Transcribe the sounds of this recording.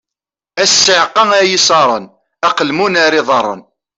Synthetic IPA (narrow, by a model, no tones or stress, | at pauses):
æsːəʕqːɑæjisɑɾˤən | æqəlmunæɾɪðˤɑɾˤːə̰n